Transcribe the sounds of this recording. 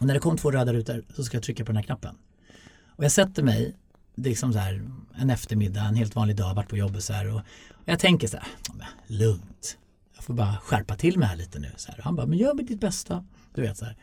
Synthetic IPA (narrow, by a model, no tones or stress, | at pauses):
ɔnæɖɛkʰɔmːt̪ʰvoːɾœːd̪aɾʉːt̪əɾsɔskajat̪ʰɾʏkːapʰɔdɛnæknapːə̰n | ɔjɑːɡsɛt̪ːəmɛj | lɪksɔmsɔæːɾɛnɛft̪əɾmɪd̪ːaɛnɦeːlt̪vɑːnlɪɡ̚d̪ɑːvaʈːpʰɔjɔbːət̪sɔæːɾɔɔjat̪ʰɛŋkəʂsæ̰ːɾmɛ̰lɵŋt̪ | jɑːɡfoːɾbɑːɾaɧæɾpat̪ʰɪlːmɛhæːɭiːt̪ənʉ̟̰ːsɔhæ̰ːɾɔhanbɑːmɛnjœːmɛd̪ɪt̪̚bɛst̪a | d̪̥ɵveːt̪sɔæ̰ːɾ